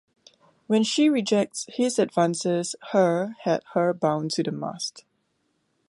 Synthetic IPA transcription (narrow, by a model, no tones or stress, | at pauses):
wɛ̃nʃiɹid͡ʒɛk̚tshɪzədvãnsəz̥həhɛt̚həbãʊ̃ntʰudəma̰st